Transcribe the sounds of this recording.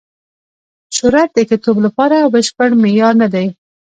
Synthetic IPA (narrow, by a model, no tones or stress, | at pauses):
ʃʊɾat̪̚d̪əkɪt̪oblapɑɾabəʃpəɽmejɑɾnad̪aj